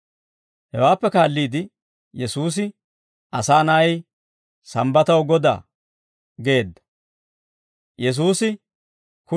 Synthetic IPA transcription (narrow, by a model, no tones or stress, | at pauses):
hɛwaːpːɛkaːlːiːd̪ɪ | jɛsuːs̬ɪ | ɐsaːnaj | sɐmbɐt̪ɐwɡɔd̪a̰ː | ɡe̞ːd̪ːɐ̥ | jɛs̬uːsɪ | kʊ